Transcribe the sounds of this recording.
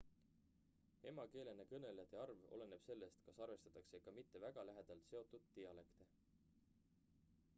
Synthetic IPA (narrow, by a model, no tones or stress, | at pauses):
e̞mɑke̞ːlenːekɤne̞lejɑd̪eɑrvo̞̰le̞ne̞b̥se̞lːe̞st̪kɑsɑrve̞st̪ɑ̥t̪ːˑɑksekɑmit̪ːe̞væɡ̥ɑlæɦe̞d̪̥ɑlt̪se̞o̞t̪ˑːud̪̥ːijɑle̞kt̪e̞